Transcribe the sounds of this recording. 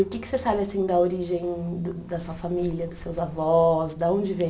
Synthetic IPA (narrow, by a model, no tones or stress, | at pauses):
ʊkɪkɪ̥sesabɪasĩd̪ɐoɾiʒẽj̃d̪ʊd̪ɐsuɐfamiliɐd̪ʊsewzavɔsd̪ɐõd͡ʒɪvẽ